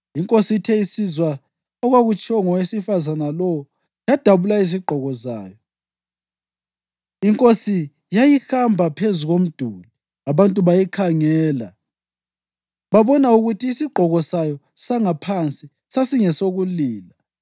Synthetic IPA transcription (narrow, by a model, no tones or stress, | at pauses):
iŋkʼositʰɛisizwa | ɔɣwaɣut͡ʃʼɔŋɔwesifazanalɔwɔ | jad̥ʱaβulaiz̬iɡ͡ǃʱɔɣɔza̰ːjɔ | iŋkʼosi | jajihambʱapʰezuɣom̩d̥ʱula | aβantʼuβajikʰaŋɛːla | βaβɔnauɣutʰiːsiɡ͡ǃʱɔɣɔsajɔ | saŋapʰant͡sʼi | sasiŋɛsoɣuliːla